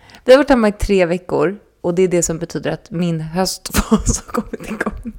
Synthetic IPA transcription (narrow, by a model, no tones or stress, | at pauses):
vɪhavaʈːhæmːaɪt̪ʰɾeːvɛkːʊ̰ɾ | ɔd̪ɛːɖɛsɔmbɛt̪ʰyːd̪əɾat̪mɪnɦœst̪fɑːshaɾkʰɔmːɪt̪ʰːɪlɡʰɔŋ